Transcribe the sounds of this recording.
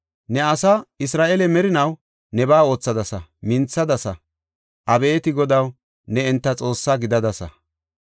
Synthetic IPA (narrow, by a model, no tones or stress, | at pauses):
nɛɐsɐɪsɾaːʔɛlɛmɛɾɪnɐw | nɛbaːo̞ːt͡sːɐd̪ɐsɐ̰mɪnt͡sːɐd̪ɐsɐ | ʔɐbɛːt̪ɪɡɔd̪ɐw | nɛɛnt̪ːɐt͡sʼo̞ːsːaɡɪd̪ɐd̪ɐsɐ̰